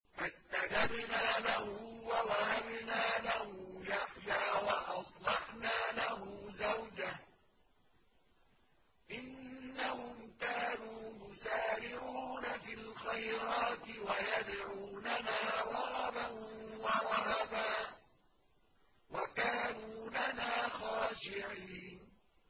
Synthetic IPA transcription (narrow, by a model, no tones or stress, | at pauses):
fast̪ad͡ʒabnaːlahʊwawahabnaːlahʊjaħjaːwɑʔɑsˤlɑħnaːlahʊːzawd͡ʒah | ʔɪnːahʊmkaːnuːjʊsaːɾɪʕuːnafilxajɾɑːt̪ɪwajad̪ʕuːnanaːɾˤɑɣɑbawaɾˤɑhabaː | wakaːnuːlanaːxaːʃɪʕiiːn